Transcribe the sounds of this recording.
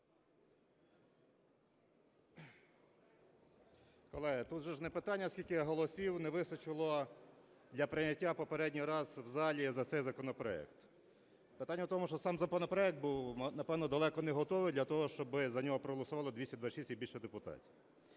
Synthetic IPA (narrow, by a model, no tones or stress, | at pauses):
kɔlˠɛɦɪt̪ut̪ʒɛʒnɛpɪt̪ɑnʲːɐsʲkʲilʲkɪjɐɦɔlˠɔsʲiwnɛʋɪsnɐt͡ʃɪlˠɔ | d̪lʲɐpɾɪnʲɐtʲːapɔpeɾɛdʲnʲijɾɑzwzɑlʲizɐt̪sɛjzɐkɔnɔpɾɔɛ̰kt̪ | pɪt̪ɑnʲːɐwt̪ɔmʊʃt͡ʃɔsɑmzɐkɔnɔpɾɔɛk̪̚buwnɐpɛwnɔd̪ɐlˠɛkɔnɛɦɔt̪ɔʋɪjd̪lʲɐt̪ɔɦɔʃt͡ʃɔbɪzɐnʲɔɦɔpɾɔɦɔlˠɔsʊʋɑlˠɔd̪ʋʲisʲɐd̪ʋɑʃʲisʲt̪ʲibilʃɛd̪epʊt̪ɑ̰t͡sʲi